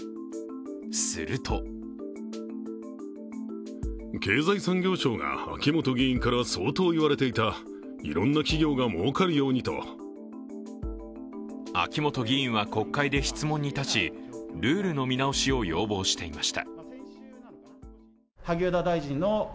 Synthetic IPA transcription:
sɨ̰ɾɯ̟t̪ʰo̞ | ke̞ːzaisãŋɡʲo̞ːɕo̞ːɡa̰a̰kʲimo̞t̪o̞ɡʲiĩŋkaɾaso̞ːt̪o̞ːiβaɾe̞t̪e̞it̪a | ḭɾõ̞nːakʲiɡʲo̞ːɡamo̞ːkaɾɯ̟jo̞ːɲ̟it̪o̞̰ | a̰kʲimo̞t̪o̞ɡʲiĩɰ̃βako̞kːaid̪e̞çi̥t͡sɨmõ̞ɲ̟ːit̪at͡ɕiɾɯ̟ːɾɯ̟no̞mʲinao̞ɕio̞jo̞̰ːbo̞ːɕi̥t̪e̞imaɕi̥t̪a̰ | haɡʲoːd̪ad̪aiʑĩnːo

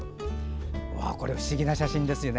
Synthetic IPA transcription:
βa̰ko̞ɾe̞ɸɯ̟̥ɕiɡʲinaɕaɕĩnd̪e̞sɨjo̞ne

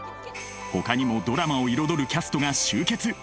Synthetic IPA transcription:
ho̞̰kaɲ̟imo̞d̪o̞ɾamao̞iɾo̞d̪o̞ɾɯ̟kʲasɨ̥t̪o̞ɡaɕɨːke̞t͡sɨ

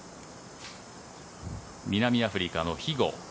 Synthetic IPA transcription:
mʲinamʲiaɸɯ̟ɾʲikano̞çiɡo̞̰

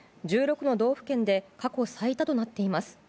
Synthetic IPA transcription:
d͡ʑɨːɾo̞kɯ̟no̞d̪o̞ːɸɯ̟̥kẽ̞nd̪e̞kako̞sait̪at̪o̞nat̪ːe̞imasɨ̥

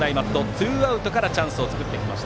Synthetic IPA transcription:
aimat̪ːo̞t͡sɨːaɯ̟t̪o̞kaɾat͡ɕãɰ̃sɨo̞t͡sɨ̥kɯ̟t̪ːe̞kʲima̰ɕi̥t̪

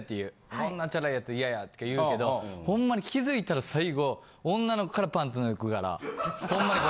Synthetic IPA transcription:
t̪ːejɯː | kõnːat͡ɕaɾaijat͡sɨijajat̪ːo̥kajɯ̟ːke̞d̪o̞hõ̞mːaɲ̟ikʲizɨit̪aɾasaiɡõ̞ː | nːano̞kokaɾapãnt̪ɨnojokɯ̟ɡaɾa̰hõ̞mːaɲʲi

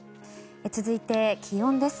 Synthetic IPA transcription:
et͡sɨzɨit̪e̞kʲʰijõnd̪e̞sɨ̥

